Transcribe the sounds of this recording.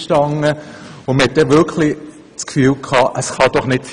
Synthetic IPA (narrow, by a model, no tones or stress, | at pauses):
ʃtɑŋəʊməhɛt̚d̥ɛʋɪɾkʰlɪ | t͡skfyːlkʰɑːʔəsχɑd̥ɔχnɪt̚